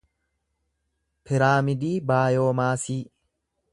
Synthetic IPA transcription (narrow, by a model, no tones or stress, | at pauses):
pʰɪɾaːmɪd̪iːbaːjo̞ːmaːsiː